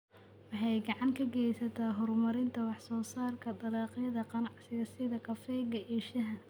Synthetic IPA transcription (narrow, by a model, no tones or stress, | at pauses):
wɑħɑjɡɑʕɑŋkʰɐɡɛjsɐt̪ʰaːɦɔrmɐɾɪnt̪ʰɐwɑħsɔːsaːrkʰɐd̪ɐlɑːqjɐðɐqɑnɑʕsɪɣɐsɪðɐkʰɐfɛːɡɐʔɛːʃɐɦɐ